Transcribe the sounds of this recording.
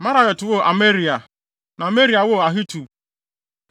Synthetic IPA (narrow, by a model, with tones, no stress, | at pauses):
ma˦ɾa˨ɣɔ˨tʊ˨wo˦˨ʔa˨me˦ɾi˨a˨ | na˨me˦ɾi˨a˨wo˦˨a˨ɦi˦tu˨